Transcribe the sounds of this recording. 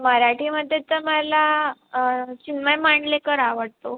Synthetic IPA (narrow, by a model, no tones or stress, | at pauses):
məɾaʈiːməd̪ʱːjet̪əmala | t͡ɕinʋəjmaɳlekəɾaʋəɽt̪o